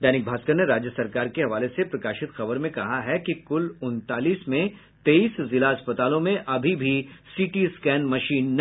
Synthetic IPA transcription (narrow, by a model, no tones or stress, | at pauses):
d̪ɛːnɪk̚bʱaːskəɾneɾaːd͡ʒjəsɐɾkaːɾkeɦɐʋaːlesepɾɐkaːʃɪt̪xɐbəɾmẽkɐɦaɦɛkikʊlʊnt̪aːliːsmẽ | t̪eːiːszɪlaɐspət̪aːlõmẽʔɐbʱibʱisiːʈiskɛːnmɐʃiːnː